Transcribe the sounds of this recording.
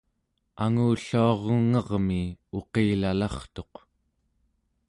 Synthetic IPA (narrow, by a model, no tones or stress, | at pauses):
aŋuːɬuɑʁəŋʌʁmio̞qeːlalɑχt̪o̞q